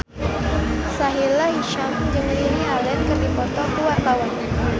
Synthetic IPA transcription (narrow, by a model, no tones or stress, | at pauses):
saɦilaɦiʃamd͡ʒɨŋlinialɛt̪̚kərdipɔt̪ɔkuwart̪awan